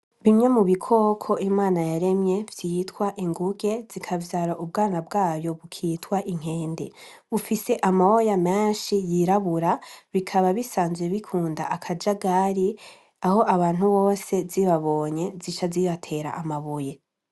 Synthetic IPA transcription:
βimɲamuβikʰo̞ːkʰo̞ʔimaːnajaɾe̞mje̞vjijːtkwaʔiŋɡuɡe̞zikʰavjaɾaʔub̚ɡaːnabɡaːjo̞βukʰitkwaʔiŋ̥he̞ːndeβufise̞ʔamawojameːnʃijiɾaβuɾaβikʰaβaβisaːnzweβikʰuːnda̰ʔakʰad͡ʒaɡaɾi | aho̞ʔaβaːn̥uβo̞ːse̞ziβaβo̞ːɲe̞zit͡ʃaziβatʰe̞ɾa̰ʔamaβuje̞

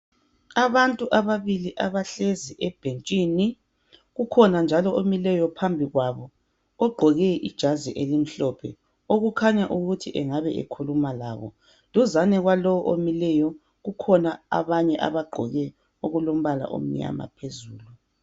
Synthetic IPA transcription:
aβantʼuʔaβaβiliʔaβaɬeziʔɛb̥ʱent͡ʃʼiːni | ɣukʰɔnand͡ʒʱalɔomilɛjɔpʰambʱiɣwaβɔː | ɡ͡ǃʱɔɣɛʔid̥ʒ̥ʱaziʔelim̩ɬɔpʰɛ̰ | oɣukʰaɲaʔuɣutʰiʔɛŋaβɛʔḛkʰulumala̰βɔ̰ | luzanɛɣwalɔwʔomilɛjɔ | ɣukʰɔnaa̰βaɲɛʔa̰βaɡ͡ǃʱɔɣɛ | oɣulom̩βala̰ʔo̰m̩ɲa̰ma̰pʰezuːlu

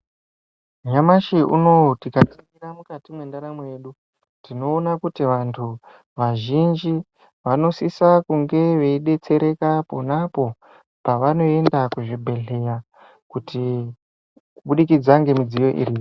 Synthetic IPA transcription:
ɲamaʃeʔṵno̞tikat͡siŋɡiramukatimwe̞ndaɾamwe̞ːɗu | tino̞ːnakutiʋantʰu | ʋaʒind͡ʒi | ʋano̞sisakuŋɡe̞ʋe̞iɗe̞t͡se̞ɾe̞kapo̞napo̞ | paʋano̞e̞ndakuʐibʱe̞ɮe̞ja | kuti | kuɓuɗikid͡zaŋɡe̞mid͡zijo̞ʔḭriːjo

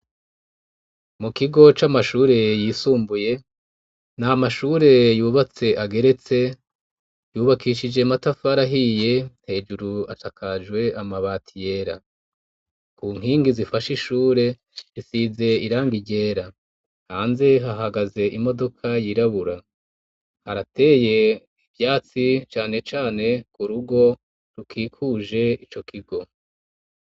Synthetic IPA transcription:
mukiɡo̞t͡ʃamaʃuːɾe̞jiːsuːmbuje̞ | namaʃuːɾe̞juːβat͡se̞ʔaɡe̞ɾe̞t͡se̞ | juːβakʰiʃid͡ʒe̞matafaɾaɦije̞n̥he̞ːd͡ʒuɾuaʃakʰad͡ʒwe̞amaβaːtʰije̞ːɾa̰ | kuːŋ̥ɦiːŋɡizifaʃiʃuːɾe̞ | ɾisize̞iɾaːŋɡiɟe̞ːɾa | haːnze̞ɦaɦaɡaze̞ʔimo̞do̞kʰajiɾaβuɾa | haɾate̞je̞ | ivjaːt͡sit͡ʃaːne̞t͡ʃaːne̞kuɾuɡo̞ | ɾukʰiːkʰuʒe̞it͡ʃo̞kʰiɡo̞

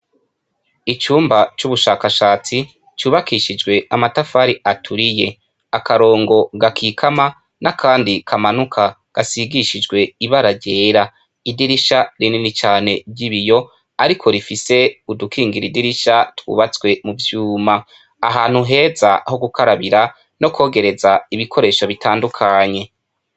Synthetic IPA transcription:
it͡ʃuːmbat͡ʃuβuʃaːkaʃaːt͡si | t͡ʃuːβakʰiʃid͡ʒɡwe̞amatafaɾiatʰuɾije̞ | akaɾo̞ːŋɡo̞ɡakʰikʰama | nakʰaːndikʰamanukʰa | ɡ̥asiɡiʃid͡ʒɡwe̞iβaɾaɾɟe̞ːɾa | idiɾiʃaɾininit͡ʃaːne̞bɟiβijo̞ | aɾikʰo̞ɾifise̞udukʰiːŋɡiɾidiɾiʃatwṵːβat͡sɡwe̞muvjuːma | aɦaːn̥huɦe̞ːza̰ho̞ɡukʰaɾaβiɾa | no̞kwo̞ːɡe̞ɾe̞zaiβikʰo̞ɾe̞ːʃoβitʰaːndukʰaɲe̞

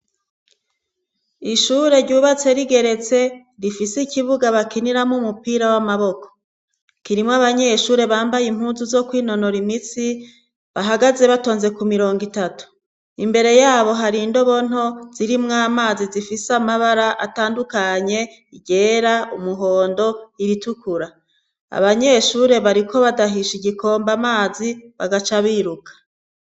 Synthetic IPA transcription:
iʃuːɾe̞ɾɟuːβat͡se̞ɾiɡe̞ɾe̞t͡se̞ | ɾifisiciβuɡaβakiniɾamumupiːɾawamaβo̞ko̥ | kiɾimŋaβaɲe̞ʃuːɾe̞βaːmbajim̥huːnzuzo̞kwiːno̞noɾimit͡si | βaɦaɡaze̞βato̞ːnze̞kumiɾo̞ːŋɡitatu̥ | imbe̞ɾe̞jaːβo̞ɦaɾindo̞βo̞n̥o̞z̥iɾimŋaːmaːzizifisamaβaɾaʔataːndukaɲe̞ | iɟe̞ːɾaumuɦo̞ːndo̞iɾitukʰuɾa | a̰βaɲe̞ʃuːɾe̞βaɾikʰo̞βadaɦiʃiɟikʰo̞ːmbamaːziβaɡat͡ʃaβiɾukʰḁ

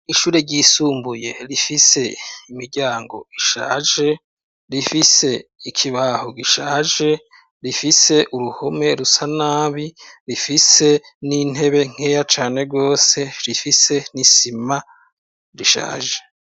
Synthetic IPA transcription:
iʃuːɾe̞ɾɟisuːmbuje̞ɾifise̞imiɾɟaːŋɡo̞̰iʃa̰ːʒe̞ | ɾifise̞ikʰiβahoɡiʃaːʒe̞ | ɾifise̞ʔuɾuhome̞ɾusanaːβiɾifise̞ | nin̥e̞βe̞ŋ̥he̞ːjat͡ʃaːne̞ɾɡo̞ːse̞ɾifise̞nisima | ɾiʃa̰ːʒe̞

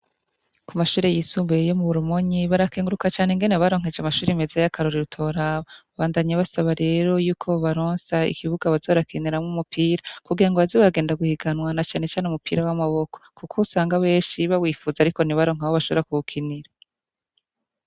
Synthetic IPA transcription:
kumaʃuːɾe̞jisuːmbujejo̞muβuɾumoɲiβaɾakeːŋɡuɾukat͡ʃaːneŋɡe̞neβaɾo̞ŋ̥e̞d͡ʒamaʃuːɾime̞zajakʰaɾoɾiɾutʰo̞ɾaβaβaːndaɲaβasaβaɾe̞ːɾo̞juːkʰo̞βaɾoːnsaḭkʰiβuɡaβazo̞ːɾakʰiniɾamŋumupʰiːɾakuɡiɾaŋɡo̞βazoβaɡe̞ːndaɡuhiɡanwanat͡ʃaːne̞t͡ʃaːneumupiːɾawamaβo̞ko̥kukʰousaːŋɡaβe̞ːnʃiβawiːfuzaːɾiko̞niβaɾo̞ːŋ̥ahoβaʃo̞βɾakuɡukʰiniɾa

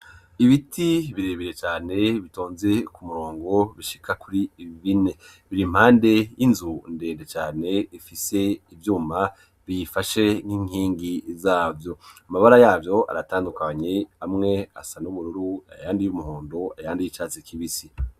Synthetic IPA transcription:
iβitʰiβiɾe̞ːβiɾe̞t͡ʃaːne̞βitoːnze̞kumuɾo̞ːŋɡo̞βiʃi̥kakuɾiβiβine̞ | βiɾim̥haːnde̞jinzunde̞ːndet͡ʃaːne̞ifise̞ivjuːma | βijifaʃe̞n̥hiːŋiːŋɡizaːvjo̞amaβaɾajaːvjo̞a̰ɾataːndukaɲeamŋe̞a̰sanuβuɾuɾua̰jaːndijumuhoːndoajaːndijit͡ʃaːt͡sikʰiβisi

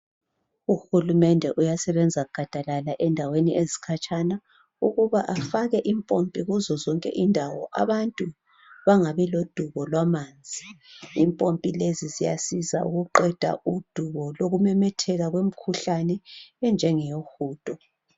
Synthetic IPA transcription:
uxulumɛndʱɛʔujasɛβɛnd͡zʱaɡ̥ʱad̥ʱalalaʔɛndʱaweniʔezikʰat͡ʃʼana | uɣuβaʔafaɣɛʔimpʼompʼiɣuzɔzɔŋkʼɛ̰ʔindʱawɔ̰ʔa̰βantʼu | βaŋaβɛlod̥ʱuβɔlwamaːnd͡zʱiimpʼompʼilezizija̰siza̰ṵɣuǃɛd̥ʱa̰ud̥ʱuβɔloɣumɛmɛtʰɛɣaɣwem̩kʰuɬanɛːnd͡ʒʱɛŋɛjoxuːtʼɔ

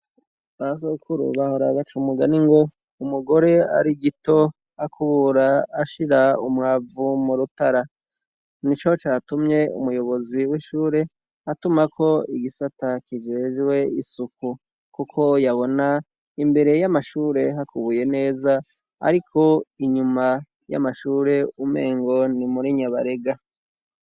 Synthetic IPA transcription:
βas̬oukʰuɾṵβaho̞ɾaβat͡ʃumuɡa̰niŋɡo̞ | umuɡo̞ɾe̞a̰ɾiɡito̞ | akʰuβuɾaːʃiɾaumŋaːvumuɾutaɾa | nit͡ʃo̞t͡ʃaːtumɲe̞ṵmujo̞βo̞ziwiʃuːɾe̞ | atumakʰo̞iɡisatakid͡ʒe̞ːʒwe̞isuku | kukʰo̞jaβo̞na | imbe̞ɾe̞jamaʃuːɾe̞ɦakuβuje̞ne̞ːza | a̰ɾikʰo̞iɲuma | ja̰maʃuːɾe̞ume̞̰ːŋɡo̞nimuɾiɲaβaɾe̞ɡa

